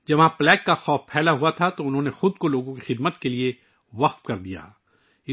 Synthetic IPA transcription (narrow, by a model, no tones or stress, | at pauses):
d͡ʒɐʋɦãplɛːkːaxɔːfpʰɛːlaɦuat̪ʰat̪oʊnɦõnexʊd̪̚koloːɡõkixɪd̪mət̪kelie | ʋɐqt̪kɐɾd̪ija̰ | ɪ